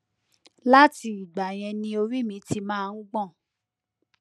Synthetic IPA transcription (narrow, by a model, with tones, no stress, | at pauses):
la˦ti˧˦i˨ɡ͡ba˨j̃ɛ̃˧nĩ˧o˧ɾi˦˨mĩ˨˦tʰi˧mãː˦˧ũ˦ɡ͡bɔ̃˦˨